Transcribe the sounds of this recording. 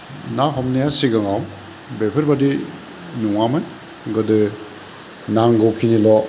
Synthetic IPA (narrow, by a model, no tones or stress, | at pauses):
naɦɔmnajasiɡaŋaw | bepʰɯɾbadi | nuŋaman | ɡɯdɯ | naŋɡɔwkʰinilɔ